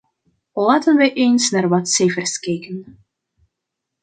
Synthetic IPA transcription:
lˠaːtənʋəʔejnsnaːrʋɑtsejfərskeːkən

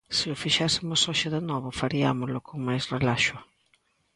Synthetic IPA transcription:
sɪʊfiʃɛsɪmʊsoʃɪðenɔβʊfaɾiamʊzlʊkʰoŋmajsrelaʃʊ

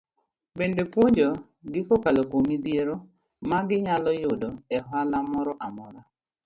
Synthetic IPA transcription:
bendepwoɲd͡ʒɔ | ɡɪkokalokomidjeɾo | maɡɪɲalɔjʊdɔɛɦwalamɔɾɔʔamɔɾa

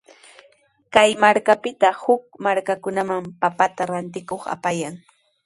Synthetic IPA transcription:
kajmaɾkapɪt̪ahʊk̚maɾkakʊnamampapat̪aɾant̪ɪkoχa̰pajaŋ

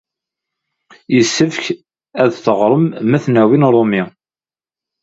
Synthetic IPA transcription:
jəsːəfçk | æðθəʁɾˤəmːæθnæwinɾˤomi

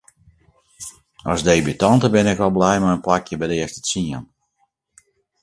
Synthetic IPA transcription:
ɔsdejbytɔntəbɪnɪkʋɔlˠblɛjmajənplakjəbɛdɪəstə̥siən

